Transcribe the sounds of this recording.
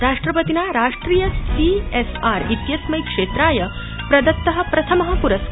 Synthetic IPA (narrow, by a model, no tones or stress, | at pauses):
ɾaːʂʈɾɐpɐt̪inaɾaːʂʈɾiːjɐsiesaːɾit̪jɐsmɐjkʂeːt̪ɾaːjɐ | pɾɐd̪ɐt̪ːɐɦɐ̆pɾɐt̪ʰɐmɐɦɐpuɾɐs